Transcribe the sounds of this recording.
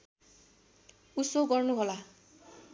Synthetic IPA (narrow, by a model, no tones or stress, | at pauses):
usoɡɔɹnuɦɔla